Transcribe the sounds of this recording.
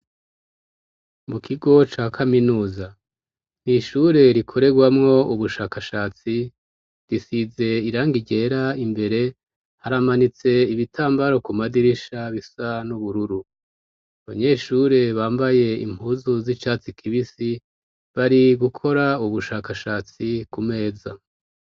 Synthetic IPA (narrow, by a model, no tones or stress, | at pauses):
mukʰiɡo̞t͡ʃaːkʰaminuːza | niʃuɾe̞ɾikʰo̞ɾe̞ɡwamŋo̞ʔuβuʃaːkaʃaːt͡si | ɾisize̞iɾaːŋɡiɟe̞ɾaimbe̞ɾe̞ | haɾamanit͡se̞iβitʰaːmbaɾo̞kumadiɾiʃaβisanuβuɾuɾu | aβaɲe̞ʃuːɾe̞βaːmbaje̞ḭm̥uzuzit͡ʃaːt͡sikʰiβisi | βaɾiɡukʰo̞ɾauβuʃaːkaʃaːt͡sikume̞ːza